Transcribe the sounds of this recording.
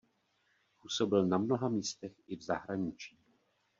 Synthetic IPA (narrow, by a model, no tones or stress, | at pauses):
puːso̞bɪlnamno̞ɦamiːst̪ɛxɪvzaɦɾaɲɪt͡ʃiː